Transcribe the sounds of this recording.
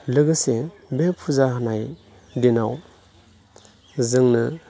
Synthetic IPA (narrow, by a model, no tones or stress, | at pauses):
lɯɡɯse | bepʰuzahanaj | dinaw | zɯŋnɯ